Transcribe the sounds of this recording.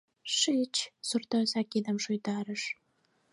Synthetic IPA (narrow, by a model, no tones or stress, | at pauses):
ʃit͡ɕsurt̪osɑkid̪əmʃojt̪ɑɾəʃ